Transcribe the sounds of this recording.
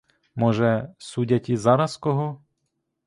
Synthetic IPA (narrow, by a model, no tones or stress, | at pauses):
mɔʒɛsudʲɐtʲizɑɾɐskɔɦɔ